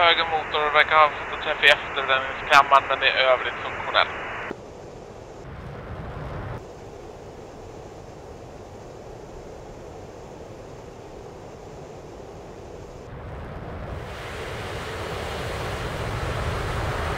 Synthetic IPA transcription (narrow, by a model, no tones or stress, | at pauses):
høːɡəmuːt̪ʊɾvæɾkaɾhɑːvsɛt̪ːat̪ʰːɾɛfːaɛft̪əɾbɾɛnnɪŋskʰamːanmɛnd̪ɛɾʔøːvɭɪt̪fɵŋkɧʊnɛ̰lt̪